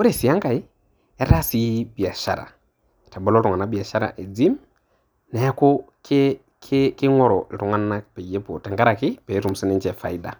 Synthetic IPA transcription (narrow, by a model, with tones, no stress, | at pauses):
o˦ɾe˦˨si˨a˦ŋka˨i˦ | ɛ˦ɾa˦si˦bi˨a˨ʃa̰˦ɾa̰˨ | ta˨bɔ˦lɔ˦tʊ˨ŋa˨na˦bi˨a˨ʃa˦ɾa̰˨ʔe˨d͡zi˦m | na˨ja˦kɔ˦ke | kʰkɪ˦ŋwɔ˦ɾɔ˨lɪ˨tu˨ŋa˦nːa˦pɛ˨je˦pɔ˨tɛ˨ŋɡa˦ɾa˨kɪ˦pɛ˨˦ɾu˨m˨si˦nɛ˦ɲt͡ʃɛ˨fa̰˨i˦da̰˨